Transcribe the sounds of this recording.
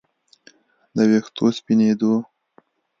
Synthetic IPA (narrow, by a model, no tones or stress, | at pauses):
d̪əwext̪ospined̪o